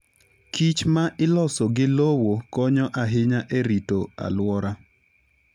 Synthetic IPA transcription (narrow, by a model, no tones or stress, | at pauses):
kit͡ʃmaʔɪlɔsɔɡɪlowokɔɲɔʔaɦɪɲaʔeɾitoa̰lwɔɾa